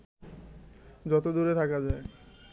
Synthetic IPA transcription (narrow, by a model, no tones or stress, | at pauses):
d͡ʑɔt̪od̪uɾet̪ʰakad͡ʑae